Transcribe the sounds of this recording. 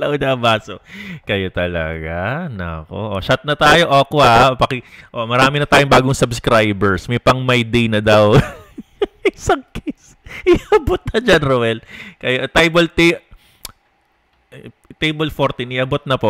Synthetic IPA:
lɐʔod̪ɐːbaːsokɐjot̪ɐlɐ̰ɡanɐ̰ɐ̰ko̰ʔoʃat̪̚nɐt̪aːjo̞ʔokohapɐkɛʔomɐɾaːmɪnɐt̪aːjoŋbaːɡoŋsɐbskɾajbɛɹsmɛpɐŋmɐjd̪ejnɐd̪ɐw | ʔɪsaŋkis | ʔɪʔɐbot̪̚nɐd͡ʒanɾowɛlkɐjoʔt̪ajbɐlt̪e | t̪ejbolfoɾt̪ɪnɪʔɐbot̪̚nɐpo

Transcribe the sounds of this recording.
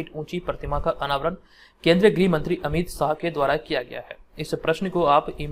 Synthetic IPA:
ɪːʈũːt͡ʃipɾət̪ɪmakaʔɐnaːʋəɾən | kẽːnd̪ɾijəɡɾiːmɐ̃nt̪ɾiʔɐmiːd̪saːɦked̪waːɾakijaɡɐ̰ja̰ɦɛ̰ːɪspɾɐʃnəkoaːpim

